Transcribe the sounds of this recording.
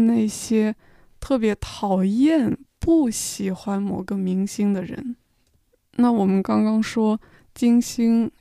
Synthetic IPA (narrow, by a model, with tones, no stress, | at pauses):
na˥˩ɪɕjɛ˥ | t̪ʰɤ˥˩p̬jɛ˧˥t̪ʰɑ˨˩ʊjɛ˥˧npu˥˩ɕi˨˩xwa˥nmɔ˨˩ɡə˧mi˧˥ŋɕi˥ŋd̪ə˨ɻə̰˧˥n | na˥˩wɔ˨˩mə˦nkɑ˥ŋkɑ˥ŋʂwɔ˥ | t͡ɕi˥ŋɕi˥ŋ